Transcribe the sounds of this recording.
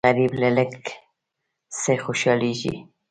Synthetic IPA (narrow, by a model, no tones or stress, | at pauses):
aɾiblelək | sexʊʃɑːlid͡ʒḭ